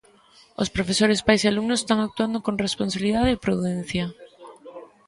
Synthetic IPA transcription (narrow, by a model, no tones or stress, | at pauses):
o̰spɾofesoɾespajsealumnosest̪aŋak̚t̪uand̪okoŋresponsaβiliðaðeːpɾuðɛn̟θja